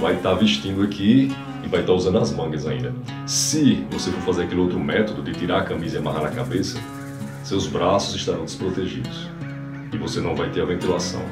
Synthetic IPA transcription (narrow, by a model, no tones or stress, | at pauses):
vajt̪aviʃt̪ĩnd̪ʊakʰi | ɪvajt̪auzɐ̃nd̪ɐzmɐ̃ɡɐzaḭ̃nd̪ɐ | sɪvosefoɾfazeɾakelɪowt̪ɾʊmɛt̪od̪ʊd̪ɪt̪iɾaɾɐkɐ̃mizɐamaɦaɾnɐkabesɐ | sewzbɾasʊzɪʃt̪aɾɐ̃w̃d̪ɪspɾot̪eʒḭd̪ʊs | ɪvosenɐ̃w̃vajt̪eɾavẽnt̪uɾasɐ̰̃w̃